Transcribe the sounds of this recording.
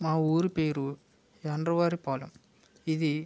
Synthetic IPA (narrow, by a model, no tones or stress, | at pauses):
maːuːɾɯpeːɾu | ɛnrɐʋaːɾipaːlɐm | iðɯ